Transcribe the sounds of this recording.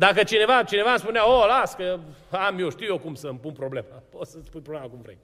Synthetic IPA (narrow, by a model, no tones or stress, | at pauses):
d̪akət͡ʃine̞vat͡ʃine̞vamspuneaolaskəamjoʃt̪iuwjokumsəmpunpɾo̞ble̞maosəspunpɾoblemakumvɾḛj